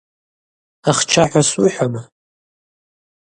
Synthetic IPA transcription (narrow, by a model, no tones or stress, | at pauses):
aχt͡ʃʰaħᶣʷasuħʷᶣama